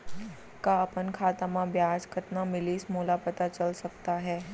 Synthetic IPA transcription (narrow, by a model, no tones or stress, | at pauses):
kaɐpənkʰaːt̪amãbjaːd͡ʒkʰət̪namɪlismoːlapɐt̪at͡ʃɐlsɐk̚t̪aɦɛː